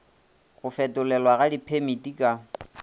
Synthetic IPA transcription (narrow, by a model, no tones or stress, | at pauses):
ɣʊfɛtʊlɛlwaɣadipʰemitikʼa